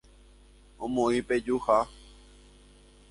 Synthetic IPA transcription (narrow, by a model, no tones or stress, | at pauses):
õmõĩped͡ʒuha